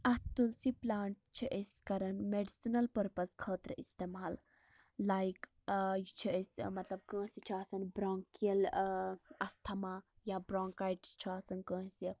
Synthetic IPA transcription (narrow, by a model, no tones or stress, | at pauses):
ɐt̪ulsiplaːɳʈ̚t͡ʃʰiʔeskɐɾɐnmeɖisinɐlpɐɾpɐskʰəːt̪ɾəʔist̪eːmaːlː | aːjk | t͡ʃʰiesʲmɐt̪lɐb̚kə̃ːsit͡ʃʰiaːsɐnbɾaːŋkiɐl | ɐst̪ʰɐmaːjabɾaːŋkaːjʈt͡ʃʰiasɐnkə̃ːsi